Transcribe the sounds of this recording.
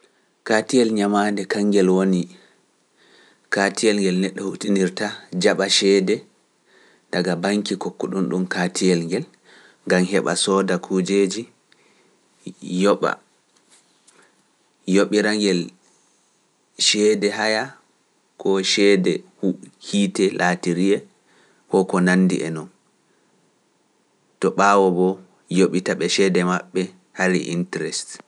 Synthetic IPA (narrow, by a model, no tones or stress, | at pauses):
katijɛlɲamandɛkaŋɡɛlwoni | katijɛlŋɡɛlnɛɗːɔhutiniɾtad͡ʒaɓaʃɛːdɛ | daɡabaŋkikokːuɗunɗumkatʰijɛlŋɡɛl | ŋɡamɦɛɓa̰sɔːdakʰud͡ʒeːd͡ʒi | jɔɓa̰ | joɓiɾaŋɡɛl | ʃɛdɛɦaja | kʰɔʃɛdɛhuhiːtɛlʔatiɾiɛ | kɔkɔnandḭʔɛnɔn | tɔɓaːwɔbɔ | joɓitaɓɛʃɛdɛmaɓːɛ | haɾḭʔḭntɾɛst